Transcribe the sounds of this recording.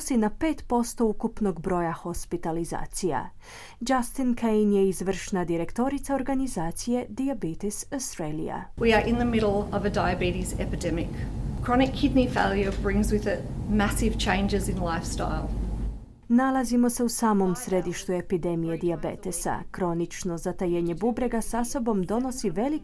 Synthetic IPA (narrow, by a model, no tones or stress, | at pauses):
sinape̞ːt̪po̞st̪o̞ukupno̞ɡbɾo̞jahospit̪aliza̰ːt̪sija̰ | d͡ʒast̪inkʰejnje̞izʋr̩ʃnad̪iɾe̞kt̪o̞ɾit̪saoɾɡanizaːt̪sije̞d̪iabit̪isost̪ɾelḭja̰wiə˞ʔɪ̃nðəmɪɾl̩ˠʌvədaɪɨbiɾɪsɛpɨdɛmɪkʰɹ̥ɑñɪkʰːɪdⁿnifeɪlˠjə˞bɹɪ̃ŋzwɪðɪt̚mæsɪv̥t͡ʃʰẽɪ̃nd͡ʒɪzɪ̃nlaɪfsta̰ɪlˠ | nalˠazimo̞se̞usaːmo̞msɾe̞d̪iʃt̪ue̞pid̪e̞mije̞d̪iabḛt̪esa̰kɾo̞nit͡ʃno̞zat̪ajeɲe̞bubɾeɡasaso̞bo̞md̪o̞no̞siʋe̞li